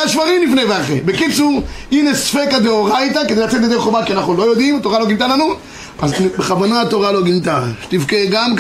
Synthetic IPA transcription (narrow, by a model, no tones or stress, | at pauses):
aʃvaʁimlifnejveaχḛbekit͡suʁinesfekad̪eoʁajt̪̬aked̪ejlat͡set̪ledeʁχobakianaχnulo̞jod̪imat̪oʁaloɡint̪alanu | azbeχavonat̪oʁalo̞ɡint̪aʃtivkeɡamɡ